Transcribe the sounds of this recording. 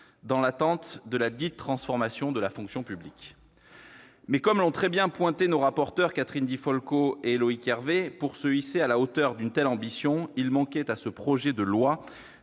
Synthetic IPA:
d̪ɑ̃lat̪ɑ̃t̪d̪əlad̪it̪ːχɑ̃sfɔʁmasjɔ̃d̪əlafɔ̃ksjɔ̃pyblik | mɛkɔmlɔ̃t̪χɛbjɛ̃pwɛ̃t̪enoʁapɔʁt̪œʁkat̪χind̪ifɔlkoelɔikɛʁvepuʁsəisealaot̪œʁd̪ynt̪ɛlɑ̃bisjɔ̃ilmɑ̃kɛt̪asəpχɔʒɛd̪əlwa

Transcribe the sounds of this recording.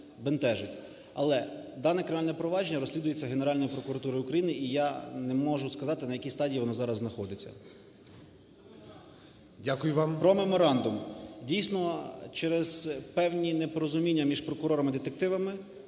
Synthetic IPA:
bent̪ɛʒɪtʲ | ɐ̰lˠɛd̪ɑnɛkɾenalʲnɛɛpɾɔʋɑʒenʲːɐɾɔsʲlʲid̪ʊjet͡sʲːɐɦene̞ɾɑlʲnɔjipɾɔkʊɾɐt̪uɾɔjʊkɾɐjinɪijanɛmɔʒʊskɐzɑt̪ɪnɐjɐkʲist̪ɑdʲijiʋɔnɔzɑɾɐzznɐxɔd̪ɪt͡sʲːɐ̰ | dʲakʊjʊʋɑmpɾɔmemɔɾɑnd̪ʊmdʲijsnɔt͡ʃɛɾɛz̥pɛwnʲinepɔɾɔzʊmʲinʲːɐmʲiʒpɾɔkʊɾɔɾɐmɪd̪ɪt̪ek̚t̪ɪʋɐmɪ

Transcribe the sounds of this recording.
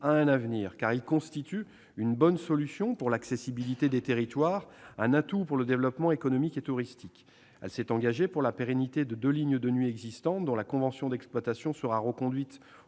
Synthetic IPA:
aɛ̃navniːʁkaʁilkɔ̃st̪it̪y | ynbɔnsɔlysjɔ̃puʁlaksesibilit̪ed̪et̪eʁit̪waːʁɛ̃nat̪upuʁləd̪evlɔpmɑ̃ekɔnɔmiket̪uʁist̪ik | ɛ̰lsɛt̪ɑ̃ɡaʒepuʁlapeʁenit̪ed̪əd̪øliɲd̪ənɥiɛɡzist̪ɑ̃t̪̚d̪ɔ̃lakɔ̃vɑ̃sjɔ̃d̪ɛksplwat̪asjɔ̃səʁaʁəkɔ̃d̪ɥit̪

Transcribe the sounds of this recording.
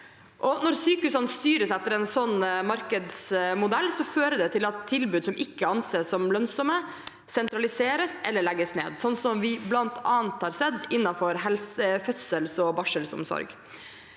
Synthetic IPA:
ʔɔnɔɾsyːkʉsɑnəst̪yːɾəsɛt̪ːəɾɛɪnsɔnːmɑɾkəd̪smʊd̪ɛlːsɔføːɾəd̪ɛt̪ʰɪlɑt̪ʰːɪlbʉːd̪sɔmʔɪkːəɑnseːsɔmlœnsɔmə | sɛnt̪ɾɑlɪseːɾəsʔɛlːəɭɛɡːəsnḛːd̪sɔnːsɔmʋɪblɑnt̪ʰɑːnt̪hɑːɾsɛd̪ːɪnːɑfɔɾhɛlsəfœt̪səlsɔbɑʂəlsʊ̰msɔ̰ɾɡ

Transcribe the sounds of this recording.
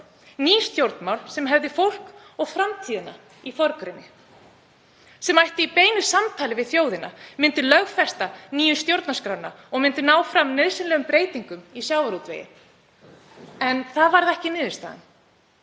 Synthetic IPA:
niːst̪jowɾt̪nmawlsɛmɦɛvðɪfowl̥kɔɣfɾamt̪ʰiːðɪna | ifɔɾkɾɪnːɪ | sɛmajht̪ɪipeːjnʏsamt̪ʰaːlɪvɪðθjoːwðɪna̰mɪnt̪ʏlœɣfɛst̪aniːjʏnst̪jowɾt̪naskɾawna | ɔɣmɪnt̪ʏnaːwfɾamnœðsɪnlɛːɣʏmpɾeːjt̪iŋkʏmisjaːwaɾut̪vḛjɪ̰ | ɛnθaðvaɾðɛhcɪnɪːðʏst̪aːðɪ̰n

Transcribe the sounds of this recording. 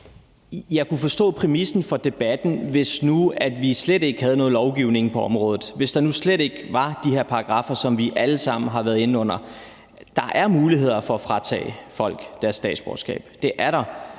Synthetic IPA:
jɑ̈ɪkʰufɒ̽sd̥ɔ̰̽ːpʰʁɛmisn̩fɒ̽d̥e̝b̥æd̥n̩ʋe̝snuæd̥ʋisled̥e̝ɡ̥hæð̞̩ˠnɔ̽ːð̩ˠlɒʊɡ̥iʊ̰ne̝ŋpʰɒ̽ɒ̽mʁɔːð̩ˠʋe̝sd̥ɑ̈nusleɾe̝ɡ̥ʋɑ̈d̥ihe̝ɐ̰pʰɑ̈ːɡ̥ʁɑ̈fɐsɒ̽mʋiʔæləsɑ̈m̰n̩ɦɑ̈ʋæːɐðˠe̝nɔ̽n̰ɐ | d̥ɑ̈ʔæɐmuːliɦe̝ð̞̰ˠɐfɒ̽æfʁɑ̈t͡sʰɛ̰ːfɒ̽l̰ɡ̥d̥æɐsːd̥ɛ̰ːd̥sb̥ɒ̰ːsɡ̥ɛ̰ːb̥d̥e̝ʔæɐɾ̥ɑ̈

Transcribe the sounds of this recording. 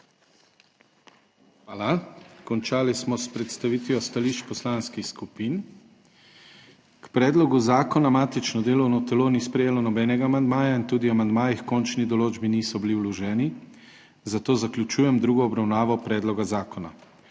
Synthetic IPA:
alakɔnt͡ʃaːlismɔspɾɛt̪st̪aʋiːt̪ʋjɔst̪aliːʃt͡ʃpɔslaːnskixskupiːn | kpɾɛːd̪lɔɡuzaːkɔnamaːt̪it͡ʃnɔd̪eːlɔwnɔt̪ɛloːniːspɾɛjeːlɔnɔbɛːnɛɡaːmand̪maːjaint̪uːd̪iamand̪maːjixkɔnt͡ʃnid̪ɔloːd͡ʒbiniːsɔbiliwlɔʒɛːni | zat̪oːzaklʲjut͡ʃuːjɛmd̪ɾuːɡɔːbɾawnaːʋɔpɾɛːd̪lɔɡazaːkɔna̰

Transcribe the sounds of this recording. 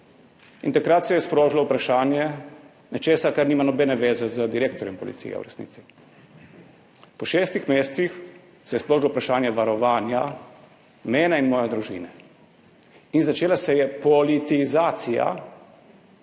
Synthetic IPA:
ḭnt̪akɾat̪sɛjɛspɾoːʒilɔupɾaʃaːnjɛ | nɛt͡ʃeːsakaɾniːmanɔbɛːnɛʋeːzɛzəd̪iɾeːk̚t̪ɔɾjɔmpɔ̰lḭt̪sḭjɛ̰ṵɾɛ̰snḭːt̪si̥ | pɔʃeːst̪ixmeːst̪six | sɛjɛspɾoːʒilɔupɾaʃaːnjɛʋaɾɔʋaːnja | mɛːnainmɔːjɛd̪ɾuʒḭːnɛ | inzat͡ʃeːlasɛjɛpɔlit̪izaːt̪sija̰

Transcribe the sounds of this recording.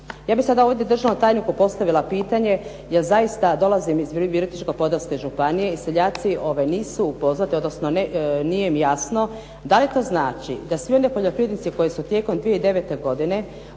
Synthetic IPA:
jaːbixsad̪aovd̪jed̪r̩ʒanomt̪aːjnikupo̞st̪aʋilapiːt̪aɲe̞ | jelzajist̪ad̪o̞lazimizʋiʋiɾit̪it͡ʃkopo̞d̪ɾask̪aʒupanije̞iseʎaːt̪siʔo̞ʋajniːsupo̞zʋat̪io̞d̪nosnoneniːjemjasno̞ | d̪alit̪o̞ːznaːt͡ʃḭd̪asʋio̞nepo̞ʎo̞pɾiʋed̪nit̪siko̞jesut̪je̞ko̞md̪ʋijeid̪e̞ʋet̪e̞ɡo̞d̪ine̞

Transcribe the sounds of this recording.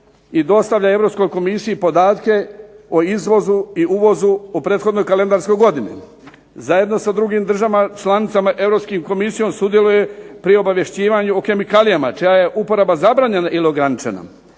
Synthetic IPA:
id̪o̞st̪aʋʎae̞ʋɾo̞psko̞jko̞misiipo̞d̪aːt̪ke̞oizʋo̞zuiuːʋo̞zuopɾe̞ːt̪xo̞d̪no̞jkale̞nd̪aɾsko̞jɡo̞d̪inḛ | zaje̞d̪no̞sad̪ɾuɡimd̪r̩ʒaʋamt͡ʃlˠanit̪samaʔe̞vɾopskimko̞misijo̞msud̪je̞lujepɾio̞baʋje̞ʃt͡ɕiːʋaɲuoke̞mikaːlijamat͡ʃijaje̞ʔupo̞ɾabazabɾaːɲe̞naʔiloɡɾanit͡ʃe̞̰na̰

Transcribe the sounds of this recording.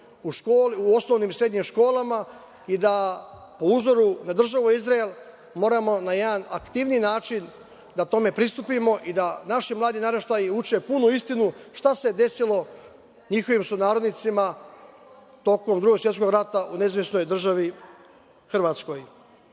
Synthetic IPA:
uʃkoːliuo̞sno̞ʋniːmsɾe̞d̪ɲimʃko̞ːlˠama | id̪apouzo̞ɾunad̪r̩ʒaʋuizɾaelˠ | mo̞ːɾamo̞naje̞d̪ana̰kt̪iʋniːnaːt͡ʃin | d̪at̪o̞me̞pɾist̪upimo̞ʔid̪anaʃimlˠaːd̪inaɾeʃt̪ajiut͡ʃe̞punuist̪inuʃt̪ase̞d̪e̞silo̞ | ɲixo̞ʋimsunaːɾod̪nit̪sima | t̪o̞ko̞md̪ɾuɡo̞ɡsʋjet̪ko̞ɡɾat̪aʔuneizʋjesno̞jd̪r̩ʒaʋi | xr̩ʋaːt̪sko̞j

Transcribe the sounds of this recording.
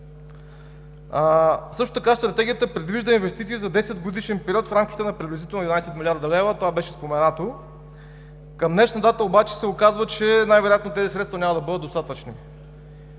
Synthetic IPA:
sɤʃt̪o̥t̪ɐkast̪ɾɐt̪ɛɡʲijət̪əpɾɛd̪viʒd̪əinvɛst̪it̪siːzɐd̪ɛsɛd̪ɡod̪iʃɛnpɛɾʲiɔt̪fɾamk̟ʲit̪ɛnɐpɾiblʲizit̪ɛlˠnɛd̪inajsɛt̪milʲaɾd̪ɐlɛvət̪ovabɛʃɛspomɛnat̪o | kəmnɛʃɐt̪at̪əobat͡ʃɛ̥sɛokazvət͡ʃɛnajvɛɾojat̪not̪ɛzisɾɛt̪st̪vɐnʲamɐd̪ɐbɤd̪əd̪ost̪at̪ət͡ʃni

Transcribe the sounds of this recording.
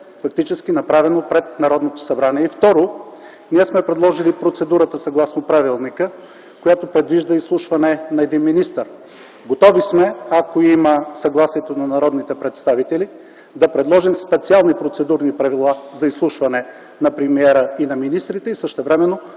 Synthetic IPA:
fɐk̚t̪it͡ʃɛsk̟inɐpɾavɛnopɾɛt̪̚nɐɾɔd̪not̪o̥sɐbɾaniɛift̪ɔɾo | niɛsmɛpɾɛd̪lˠɔʒilipɾot̪sɛd̪uɾət̪əsɐɡlˠasnopɾavilˠnikə | kojat̪opɾɛd̪viʒd̪əislˠuʃvɐnɛnɐɛd̪inminist̪əɾ | ɡot̪ɔvismɛakoiməsɐɡlˠasiɛt̪onɐnɐɾɔd̪nit̪ɛpɾɛt̪st̪avit̪ɛli | d̪ɐpɾɛd̪lˠɔʒimspɛt̪sialˠnipɾot̪sɛd̪uɾnipɾɐvilˠazɐislˠuʃvɐnɛ | nɐpɾɛmiɛɾəinɐminist̪ɾit̪ɛisəʃt̪ɛvɾɛmɛno

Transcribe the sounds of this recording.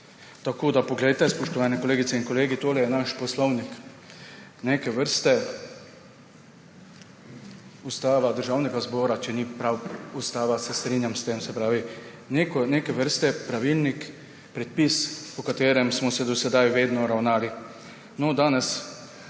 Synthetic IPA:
t̪akoːd̪apɔɡlɛjt̪ɛspɔʃt̪ɔʋaːnɛkɔleːɡit̪sɛinkɔleːɡit̪oːlɛjɛnaʃpɔslɔwnik | nekɛʋəɾst̪ɛ | ust̪aːʋad̪əɾʒaːwnɛɡazbɔːɾat͡ʃɛnipɾawust̪aːʋasɛst̪ɾiːnjamst̪emsɛpɾaːʋi | nekɔnekɛʋəɾst̪ɛpɾaʋilnik | pɾɛt̪̚pispɔkat̪eːɾɛmsmɔsɛd̪ɔsɛd̪ajʋeːd̪nɔɾawnaːli | nɔd̪aːnɛs

